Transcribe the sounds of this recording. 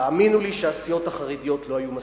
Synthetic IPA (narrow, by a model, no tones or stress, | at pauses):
aminuliʃeasijo̞thaχaʁidijo̞t̪lo̞ajuma